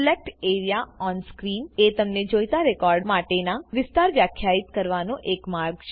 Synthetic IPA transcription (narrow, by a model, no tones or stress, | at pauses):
lek̚ʈeɾijaɔnskɾimet̪əmned͡ʒojt̪aɾekɔɾɖmaʈenaʋɪst̪aɾʋjakʰːjait̪kəɾʋanõʔekmaɾɡt͡ʃʰ